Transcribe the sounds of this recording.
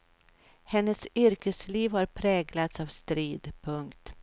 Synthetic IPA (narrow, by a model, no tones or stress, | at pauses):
hɛnːəsʏɾkəsliːvhaɾpʰɾɛːɡlat̪saːvst̪ɾiːd̪pʰɵŋkt̪